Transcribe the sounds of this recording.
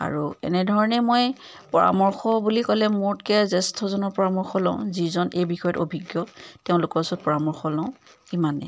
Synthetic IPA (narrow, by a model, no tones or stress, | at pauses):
a̰ɹuɛ̰nɛdʱɔɹɔnɛmoj | pɔɹa̰mɔɹxɔbulikɔlɛmoɹtkɛzɛstʰɔzɔnɔɹpɔɹamɔɹxɔlɔ̰̃ʊ̃zizɔnejbixɔjɔtobʱiɡjɔteʊ̃lʊkɔɹasɔt̚pɔɹamɔɹxɔlɔ̃ʊ̃kimanɛ̰